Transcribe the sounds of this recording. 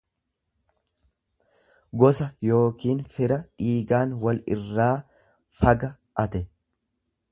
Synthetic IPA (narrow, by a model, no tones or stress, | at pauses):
ɡɔsɐjo̞ːkiːnfɪɾɐᶑiːɡaːnwɐlɪ̰rːaː | fɐɡɐ | ʔɐt̪ɛ